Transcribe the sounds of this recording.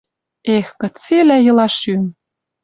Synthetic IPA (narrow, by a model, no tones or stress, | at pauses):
exkɤ̆t͡selæjɤ̆lɑʃym